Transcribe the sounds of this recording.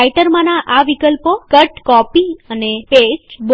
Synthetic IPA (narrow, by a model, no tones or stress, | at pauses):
iʈəɾmãnãʔaʋikəlpokəʈkɔpiənepesb